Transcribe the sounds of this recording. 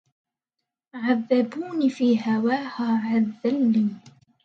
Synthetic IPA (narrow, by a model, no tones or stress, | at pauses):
ʕaðːabuːnifiːɦawaːhaːʕaððːalːiː